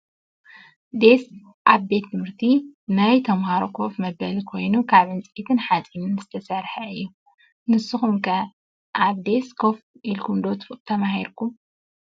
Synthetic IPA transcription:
d̪e̞s | ʔaβbe̞t̪ːɨmɨɾt̪ʰinajt̪ʰɐmhaɾokʰo̞fmɐbɐlikʰo̞jnukʰaβɨnt͡sʼit̪ʰɨnħat͡sʼinɨnzɨt̪ʰɐsɐɾħɐɨjːu | nɨsɨxumkʰɐ | ʔaβd̪e̞skʰo̞fʔilkʰumd̪ot̪t̪ʰɐmaɦiɾkʰu

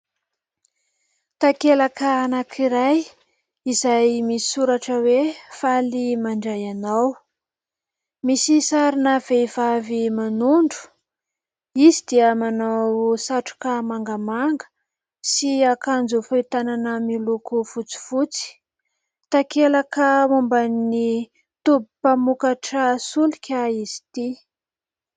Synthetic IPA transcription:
t̪akelakəanakʰiɾaj | izajmisi̥suɾaʈ͡ʂəwefalimaɳɖ͡ʐajanaw | misisaɾinav̥ev̥avimanuɳɖ͡ʐu̥ | izid̪iəmanawsaʈ͡ʂu̥kamaŋɡəmaŋɡə̥ | siakand͡zufat̪ananəmilukufut͡si̥fut͡si̥ | t̪akelakəmumbani | t̪ubupamukaʈ͡ʂəsulikʲaizi̥t̪i

